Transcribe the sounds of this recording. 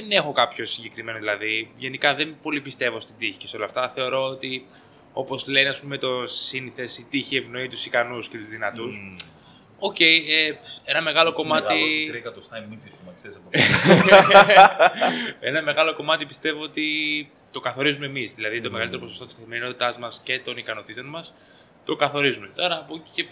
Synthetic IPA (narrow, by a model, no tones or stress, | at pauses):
ðene̞xo̞kɐpço̞siɲɟe̞kɾime̞noðilɐðiʝe̞nikɐðe̞mpo̞lipist̪e̞vo̞st̪id̪içi̥ceso̞lɐft̪ɐθe̞o̞ɾo̞oːt̪i | o̞po̞zleniɐspume̞t̪o̞siniθe̞sit̪içie̞vno̞it̪usikɐnusce̞t̪uzðinɐt̪us | o̞ce̞jee̞nɐme̞ɣɐlo̞ko̞mɐiɾiekɐt̪ost̪ɐjnmit̪isomɐksesɐpo | e̞nɐme̞ɣɐlo̞ko̞mɐt̪ipist̪e̞voot̪i | t̪o̞kɐθo̞ɾizume̞mizðilɐðit̪o̞meɣɐlit̪eoposst̪oiskɐθime̞ɾino̞t̪it̪ɐzmɐsce̞t̪o̞nikɐno̞t̪it̪o̞nmɐs | t̪o̞kɐθo̞ɾizume̞t̪o̞ɾɐːpoce